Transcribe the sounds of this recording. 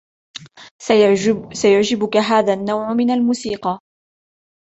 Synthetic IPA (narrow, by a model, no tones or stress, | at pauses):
sajaʕd͡ʒɪbʊkaɦaːðaːnːawʕmɪnalmuːsiːqɑ